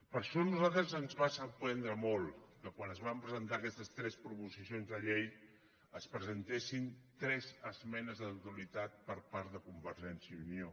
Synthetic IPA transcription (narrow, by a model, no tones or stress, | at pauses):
pəɾʃɔnuzalˠt̪ɾəzənzβasət̪ɛnd̪ɾəmolˠkəkwanəzβampɾəzənt̪aəkɛst̪əst̪ɾɛspɾupuzisionzðəʎej | əspɾəzənt̪esint̪ɾɛzəzmɛnəzðwt̪ulit̪at̪̚pəɾpaɾt̪ðəkumbəɾʒɛnsiəunio